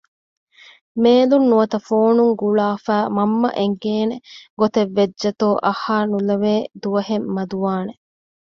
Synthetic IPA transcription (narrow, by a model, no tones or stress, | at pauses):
meːlunːuʋɐt̪ɐfoːnuŋɡuɭaːfæːmɐmːɐ̰ʔeŋɡeːneɡot̪eʋːed͡ʒd͡ʒɐt̪oːʔɐhaːnulɐʋeːd̪uʋɐhemːɐd̪uʋaːne